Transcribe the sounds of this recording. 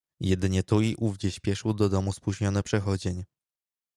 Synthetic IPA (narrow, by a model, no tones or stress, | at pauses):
jɛd̪ɘɲɛt̪uiʔuvd͡ʑɛɕpʲjɛʂwd̪ɔd̪ɔmuspwuʑɲɔnɛpʂɛxɔd͡ʑeɲ